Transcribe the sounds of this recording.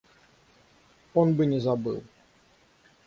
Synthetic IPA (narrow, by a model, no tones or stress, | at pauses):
onbɨnʲɛzabɨ̰lˠ